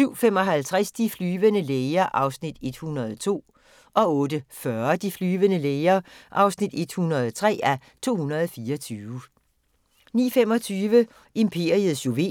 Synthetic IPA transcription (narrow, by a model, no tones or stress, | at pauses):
syʊ̰fem̰ɒ̽ɦælt͡sʰʁasd̥iflyːʋənəleːɐʔɑ̈ʊsnid̥e̝d̥hunɐð̞̩ˠɒt͡sʰo̝̰ː | ʔɒ̽ɔ̽ːd̥əfɶɐd̥iflyːʋənəleːɐʔɑ̈ʊsnid̥e̝d̥hunɐð̞ˠt͡sʰʁɛ̰ːæ | t͡sʰo̝̰ːhunɐðˠɒfiːɐɒt͡sʰyːʋə | nḭːfem̰ɒ̽t͡sʰyːʋə | ʔe̝mpʰe̝ːɐ̰ið̩ˠsoʋe̝̰